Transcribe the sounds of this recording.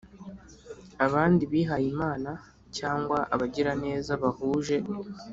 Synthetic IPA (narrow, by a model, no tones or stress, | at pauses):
aβaːndiβiːɦajimaːna | caːŋɡwaʔaβaɟiɾane̞ːzaβahuːʒe̞